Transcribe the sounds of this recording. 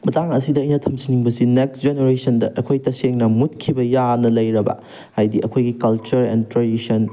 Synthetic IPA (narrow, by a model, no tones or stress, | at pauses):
mɐtaŋɐsidɐːjnɐtʰɐmsiniŋbɐsineksd͡ʒeneɾesɐndɐʔɐkʰojtɐseŋnɐmutkʰibɐjanɐlɐjɾɐbɐ̰ | hajdiʔɐkʰojɡikɐlt͡ʃɐɾɛ̰ntɾadisɐn